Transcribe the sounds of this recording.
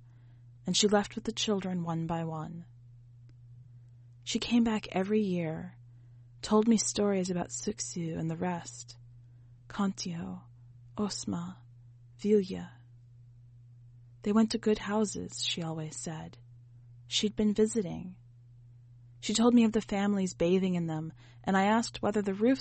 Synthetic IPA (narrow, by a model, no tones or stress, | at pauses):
ɨ̃nʃilɛft̚wɨðɨt͡ʃʰɪlˠdɹɨ̃nwʌ̃nbaɪwʌ̃n | ʃikʰẽɪ̃mbækʰɛvɹijɪɹ | tʰoʊlˠd̚mistɔɹizɨbaʊtsɪksjʉɨ̰̃nðɨɹɛst | kʰɑ̃ntʰioʊ | ʔoʊsmə | v̥ilˠjɨ | ðeɪwɛ̃ntʰɨɡʊd̚haʊsɪ̰z̥ʃiɔlˠwiz̥sɛd̥ | ʃid̚bɨ̃nvɪzɨɾɪ̰̃ŋ | ʃitʰoʊlˠd̚miʌvðɨfæ̃mlizbeɪðɪ̃ŋɨ̃nðə̃m | ʔɨ̃ñaɪæsk̚t̚wɛðə˞ðɨɹʉf